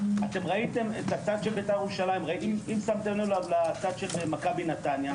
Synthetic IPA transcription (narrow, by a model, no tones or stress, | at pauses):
at̪e̞mʁait̪e̞metat͡sad̪ʃelbetajeʁuʃalajimʁaiimimsamt̪emolavlat͡sad̪ʃelemakabinat̪anja